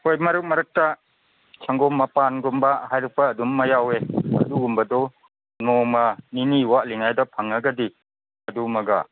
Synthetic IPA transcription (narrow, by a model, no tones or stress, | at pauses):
hojmɐɾɯk̚mɐɾɯk̚tɐ | t͡ʃʰɐŋɡɔmːɐpanɡumbɐɦajɾɐk̚pɐːdumːɐjaweɐ̰duɡumbɐdɔ | nɔmɐniniwaʔliŋajdɐpʰɐŋɐɡɐdi | ɐdumɐɡa̰